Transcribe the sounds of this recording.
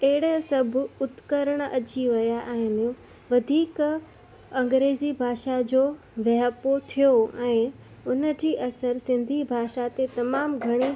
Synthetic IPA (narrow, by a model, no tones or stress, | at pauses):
eɦɪɽəsɐbʱʊʊt̪kəɾəɽ̃ɐt͡ɕiʋɐjaʔːɦɪnɪ̆ | ʋɐd̪ʱiːk | ɐ̃ŋɡɾeːzibʱaːʃad͡ʑoː | ʋɐɦpot̪ʰijoɛ̃ː | ʊnə̆d͡ʑiːʔɐsəɾsɪ̃nd̪ʱibʱaːʃat̪et̪ɐmaːmɡʱɐɽ̃i